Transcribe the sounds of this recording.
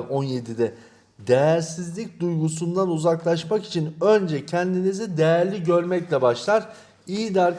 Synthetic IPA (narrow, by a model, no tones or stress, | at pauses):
ko̞nje̞d̪id̪ɛ | d̪ejæɾsizlʲic̚d̪ujɡusund̪anuzaklˠaʃmaki̥t͡ʃʰinø̞nd͡ʒɛcʰɛnd̪inizid̪ejæɾlʲiɟø̞ɾmɛclʲɛbaʃlˠaɾ̥ | ijid̪aɾ